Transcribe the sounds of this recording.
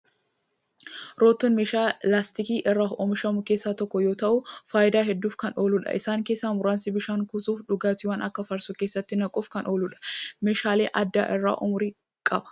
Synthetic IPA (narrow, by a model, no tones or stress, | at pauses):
ɾoːt̪ːɔnmeːʃaːlaːst̪ɪkiːʔɪrːaːɔmɪʃɐmʊke̞ːsːaːt̪ɔkːɔjoːt̪ɐʔʊfaːʔɪd̪aːɦɛd̪ːuːfkɐno̞ːlʊᶑɐ̰ʔɪsaːŋkeːsːaːmʊɾaːnsɪbɪʃaːŋkʊsuːfᶑʊɡaːt̪ɪwɐnʔɐkːɐfɐɾsʊke̞ːsːɐt̪ːɪnɐkʼuːfkɐnʔo̞ːlʊᶑɐ̥meːʃaːleːʔɐd̪ːa̰ːʔɪrːa̰ːʔɔmʊɾiː | kʼɐbɐ̥